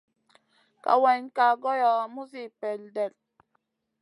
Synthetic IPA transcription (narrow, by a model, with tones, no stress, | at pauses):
ka̰˨wɛ˨ɲka˨ɡɔ˦jɔ˨mu˦si˦˨pɛ˨ldɛ˨l